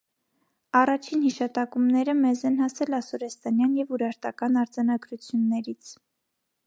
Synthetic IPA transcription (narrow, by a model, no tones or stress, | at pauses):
ɑrɑt͡ʃʰinhiʃɑt̪ɑkumnɛɾəmɛzɛnhɑsɛlɑsɔɾɛst̪ɑnjɑnjɛvuɾɑɾt̪ɑkɑnɑɾd͡zɑnɑɡɾut͡sʰjunːɛɾit͡sʰ